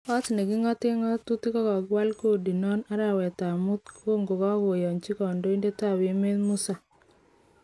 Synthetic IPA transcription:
ɔ˦t̪ne˨ɡi˦ŋɔ˦t̪ɪ˦ŋɔ˦t̪u˦t̪i˦kɔ˦kɔ˨ɡwa˦lko˦di˨nɔ˦na˦ɾa˦˨wɛ˨t̪a˨mu˦t̪̚ko˦ŋɡo˨kɔ˦wo˨jɔ˨nt͡ʃi˦kɔ˨ndo˦i˦nde˦ta˦˨we˨˦me˦tmu˦sa˨

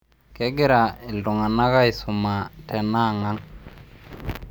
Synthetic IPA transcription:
kɛ˦ɡɪ˦ɾa˨ɪ˨ldo˨ŋa˨na˦ɣa˦i˨sʊ˨ma˨tɛ˨na˦˨ŋa˦ŋ

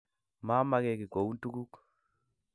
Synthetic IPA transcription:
ma˦ma˦kɛ˨kɪ˨ko˨u˦ntu˦ku˦k

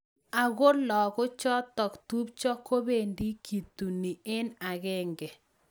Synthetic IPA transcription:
a˨ɣo˦ɾlɔ˨kʊ˦t͡ʃɔ˦tɔ˨kt̪u˦p̚t͡ʃɔ˦ko˦be˦˨ndi˦kʰi˨t̪u˨ni˨ɪ˦na˨ɣɪ˦ŋɡɛ˨

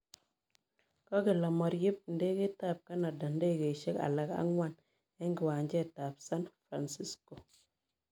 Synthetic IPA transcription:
kɔ˦ɡi˨la˨mɔ˨ɾji˦p̚nde˦ki˦ta˦˨p̚ka˦na˨da˨nde˦ɡe˨ʃe˦ka̰˨la˨ka̰˦ŋwa˦˨n | ɛ˦ŋɡɪ˨wa˨ɲd͡ʒe˦˨ta˨psa˦nfɾa˨nsi˦sko˨

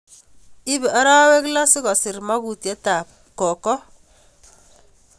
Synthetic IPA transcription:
ɪ˦bɛ˨a˦ɾa˦we˦kla˦sɪ˦kɔ˨sɪ˨rma˦ku˨tjɛ˦ta˨p̚ | kɔ˨kɔ˦

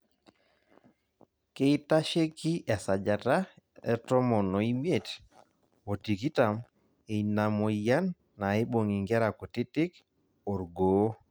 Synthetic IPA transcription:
ke˦i˦ta˦ʃe˦ki˦ʔa˨sa˨d͡ʒa˨ta˦ | ɛ˦tɔ˦mɔ˨no˨i˦mje˦˨t | o˨ti˨ki˦ta˨m | e˨i˨na˨mo˨ja˦nː | a˨e˦ɓo˨ŋi˨ŋɡɛ˦ɾa˨ko˨tɪ˦tɪ˦k | o˨ɾɡoː˨˦

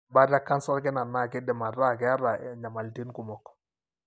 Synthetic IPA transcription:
ba˦ɾa˦kːa˦nsɔ˦ɾkɪ˦na˨na˦˨kɪ˦dɛ˨ma˨ɾa˦˨kɛ˨˦a˦ɾa˨ɲa˨ma˨lti˦nku˨mɔ˨k

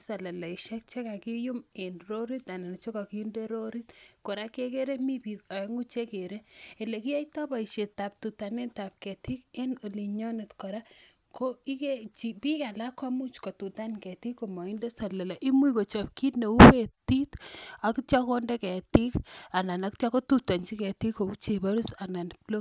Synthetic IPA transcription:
sa˨la˨la˨i˨ʃɛ˦k̚t͡ʃe˦ka˨ki˦ju˦me˨nɾo˦ɾi˦t̪a˨na˨na˨t͡ʃo˦ka˨ki˨ju˦nde˦ɾo˦ɾi˦tko˨ɾa˦ke˦ke˦ɾe˦mi˦pi˨a˨˦ŋu˦t͡ʃe˦ke˨ɾe˦e˨le˨ki˦a˦itɔ˦pa˨i˨ʃe˨ta˨p̚tu˨ta˨ne˦nta˨p̚kɛ˨tʰi˦ke˦no˨li˨ɲɔ˦ne˨tkɔ˨ɾa˦ | ko˦i˦ke˦t͡ʃi˨pi˦ka˨la˦kɔ˦mu˦t͡ʃko˨tu˨ta˦nkɛ˨ti˦kːo˨mɔ˨i˦nde˦sa˨la˨la˨ʔi˦mu˦i˨ko˨t͡ʃɔ˨p̚ki˦tne˨u˦we˨ti˦ta˨kt͡ʃa˦ko˦ndɛ˦kɛ˨ti˦ka˨na˨na˨kt͡ʃa˦ko˦tu˦ta˨nt͡ʃi˦kɛ˨ti˦kːo˨ku˦t͡ʃe˨ba˦ɾu˦sa˨na˨nplo˦

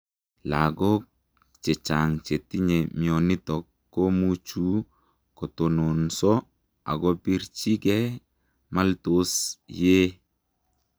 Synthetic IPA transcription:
la˨ɡɔ˦k | t͡ʃe˨t͡ʃa˨ŋt͡ʃe˨ti˦ɲemiɔ˨ni˦tɔkːo˦mut͡ʃu˦ | kɔ˨to˨no˨nsɔ˦ | a̰˨ɡɔ˦pi˦ɾt͡ʃi˦kɛ˦ | ma˦lto˦sje˦

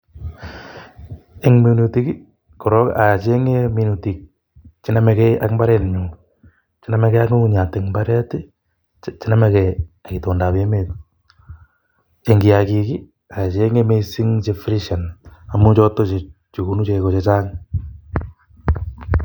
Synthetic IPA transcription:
eŋmunuti˦ki˦ | kɔ˨ɾɔ˦ka̰˨t͡ʃe˦ŋe˦mi˦nuti˨k̚ | t͡ʃi˦na˦mɛ˨kɛjʔa˦kmba˦ɾɛ˨nɲu | t͡ʃi˦na˦mɛ˦kɛ˦a˦kŋu˦uɲa˨teŋmba˦ɾɛ˦ti˦ | t͡ʃina˦mɛ˨kɛaki˨toː˨nda˨pe˦met̚ | e˨ŋɡi˨akiki˦ | a˨t͡ʃe˦ŋe˦me˦si˦ŋt͡ʃe˧fɾiʃa˨na˨mu˦t͡ʃɔ˦to˦t͡ʃe˨ | t͡ʃu˨ku˨nu˦t͡ʃe˨kot͡ʃet͡ʃaː˦ŋ

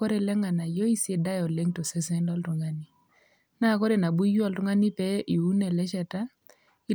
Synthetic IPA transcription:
ɔ˦ɾe˨lɛ˦ŋa˨na˨jɔ˦i˦se˦da˦jɔ˨le˦ŋtɔ˨sɛ˦sɛ˦ndɔ˦ltu˨ŋa˦ni˦ | na˦˨kɔ˦ɾe˨na˨bu˦ju˦ɔ˦˨ltu˦ŋa˦ni˦pɛ˦ʔi˨u˦nɛ˨lɛ˦ʃɛ˨ta˦ | i˦

